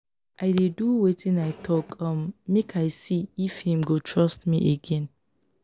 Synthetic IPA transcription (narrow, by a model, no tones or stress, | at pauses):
ʔaɪdeduwetʰĩnajtʰɔkʌ̃mːekʰajsiifhĩmɡotʰɹastmḭʔeɡɛ̃n